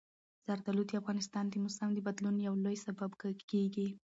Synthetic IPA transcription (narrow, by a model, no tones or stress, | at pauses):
z̥aɾd̪alut̪iafɣɑnɪst̪ɑnd̪əmʊsamd̪əbad̪lunjawlojsababkkeɡi